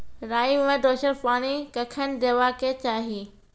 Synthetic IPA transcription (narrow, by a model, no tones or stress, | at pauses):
ɾaːimẽd̪oːʃəɾpaːɽ̃ikɐkʰənɪ̆d̪eʋakʰet͡ɕaːɦi